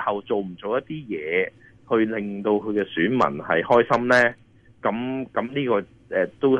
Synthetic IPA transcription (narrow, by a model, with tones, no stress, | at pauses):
hɐ˨wt͡so˨wm̩˨˩t͡so˨wjɐ˥t̚t̪iː˥jɛː˨˧ | hɵ˧ɥlɪ˨˩ŋt̪o˧wkʰɵ˨˧kɛː˧syː˨˥nmɐ̰˨˩nhɐ˨jhɔː˥jsɐ˥mlɛː˥ | kɐ˨˥mkɐ˨˥mniː˥kɔː˧ | ɛː˧t̪o˥w